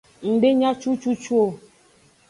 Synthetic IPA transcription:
ŋ̩˨ɖe˦ɲã˦t͡ʃu˦t͡ʃu˦t͡ʃu˦o˦˨

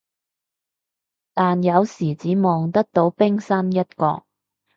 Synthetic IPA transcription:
t̪aː˨njɐ˨˧wsiː˨˩t͡siː˨˥mɔː˨˩ŋt̪ɐ˥k̚t̪o˨˥wpɪ˥ŋsɐ˥njɐ˥t̚kɔ̰ː˧

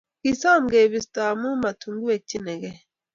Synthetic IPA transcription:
ki˨sa˦˨mɡe˨bi˨sta˨mu˦ma˨tʰu˨ŋɡu˦we˨t͡ʃːi˦nɛ˨ɡɛ˦

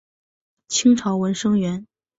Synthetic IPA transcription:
t͡ɕʰi˥ŋʈ͡ʂʰɑ˧˥ʊwə˧˥nʂɤ˥ŋɥɛ˧˥n

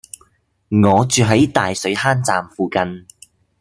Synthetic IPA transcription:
ŋɔː˨˧t͡ʃyː˨ɦɐ˨˥jt̪aː˨jsɵ˨˥ɥhaː˥nt͡saː˨mfuː˨˧kɐ˧n

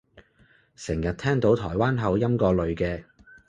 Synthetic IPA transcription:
sɪ˨˩ŋjɐ˨t̚t̪ʰɛː˥ŋt̪o˨˥wt̪ʰɔː˨˩jwaː˥nɦɐ˨˧wjɐ˥mkɔː˧lɵ˨ɥkɛː˧

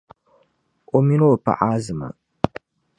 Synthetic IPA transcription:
o˨mi˦no˦˨pa̰˨ʔa˦zɨ˨ma̰˨

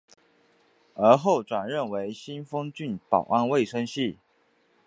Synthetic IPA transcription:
ə˞˧˥xo˥˩ʊʈ͡ʂwa˨˩nɻə˥˨nwe˧˥ɪɕi˥nfɤ˥ŋt͡ɕy˥˨npɑ̰˨˩ʊʔa˥˧nwe˥˨ɪʂə˥nɕi˥˩

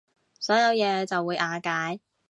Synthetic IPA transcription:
sɔː˨˥jɐ˨˧wjɛː˨˧t͡sɐ˨wːuː˨˧jʔaː˨˧kaː˨˥j

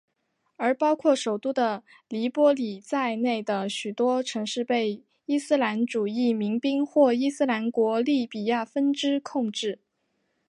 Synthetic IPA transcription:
ə˞˧˥pɑ˥ʊkʰwɔ˥˩ʂo˨˩ʊt̪u˥d̪ə˨ | li˧˥pwɔ˥li˨˩t͡sa˥˧ɪne˥˩ɪd̪ə˩ɕy˨˩t̪wɔ˥ʈ͡ʂʰɤ˧˥ŋʂɻ̩˥˧pe˥˩ɪ | i˥sɹ̩˥la˧˥nʈ͡ʂu˨˩i˥˩mi˧˥ŋpi˥ŋxwɔ˥˩i˥sɹ̩˥la˧˥nkwɔ˧˥li˥˩pi˨˩ja˥˩fə˥nʈ͡ʂɻ̩˥kʰʊ˥˧ŋʈ͡ʂɻ̩˥˩

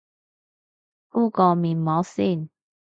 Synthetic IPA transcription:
u˥˧˨kɔ˨˩mi˨˩nmːɔ˨˦si˥˧˨n

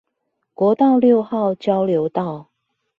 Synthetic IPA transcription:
kwɔ˧˥t̪ɑ˥˧ʊljo˥˧ʊxɑ˥˨ʊt͡ɕjɑ˥ʊljo˨˧˦ʊt̪ɑ˥˨ʊ

